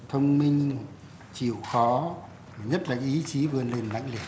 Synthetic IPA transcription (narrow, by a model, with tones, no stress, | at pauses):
t̪ʰə˧wŋ͡mmi˧ŋ̟ | t͡ɕi˧˩əwxɔ˨˦˩ | ɲə˦˥t̚laː˨˩ʔi˨˦t͡ɕi˨˦vɨ˨˩ənle˨˩nla̰˧˨ŋ̟lɨ˨˩k̚